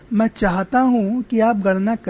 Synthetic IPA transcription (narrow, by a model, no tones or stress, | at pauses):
mɛ̃ːt͡ʃaːɦt̪aɦũkiaːp̚ɡɐɽnak